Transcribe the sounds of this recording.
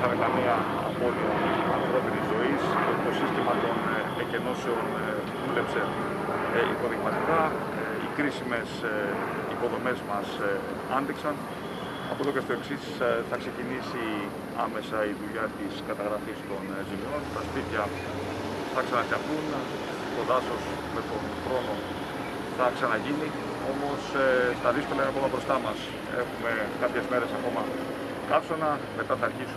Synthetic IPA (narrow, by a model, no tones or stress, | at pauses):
xɐnekɐmeɐ̰ː | po̞liɐɐfɾo̞pinizo̞ist̪oit̪o̞sist̪imɐt̪o̞n | ece̞no̞seo̞n | ðule̞pse̞ | ipo̞ðiɣmɐt̪ikɐ | ikɾisime̞s | ipo̞ðo̞me̞zmɐs | ɐnd̪iksɐn | ɐ̰pot̪ocest̪o̞e̞ksisθɐkse̞cinisi | ɐme̞sɐiðuʎɐt̪iskɐt̪ɐɣɾɐfist̪o̞n | zimio̞nt̪ɐspit̪çɐ | θɐksɐnɐsɐfθun | t̪o̞ðɐso̞s | me̞t̪o̞nxɾo̞no̞ | θɐksɐnɐʝini | o̞mo̞st̪ɐðiskolɐinɐpomɐbɾo̞st̪ɐmɐs | e̞̰xume̞kɐpçe̞zme̞ɾe̞sɐko̞mɐ | kɐpsonɐ | me̞t̪ɐθɐːɾçisu